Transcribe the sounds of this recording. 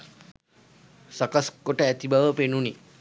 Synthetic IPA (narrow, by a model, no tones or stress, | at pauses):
sakaskoʈəæt̪ibaʋəpenuni